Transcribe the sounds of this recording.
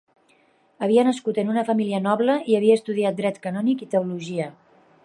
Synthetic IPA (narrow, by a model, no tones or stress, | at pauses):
əβ̞iənəskut̪ənunəfəmiliənɔβləiəβiəːst̪uðiat̪̚d̪ɾɛt̪kənɔnikit̪euluʒiə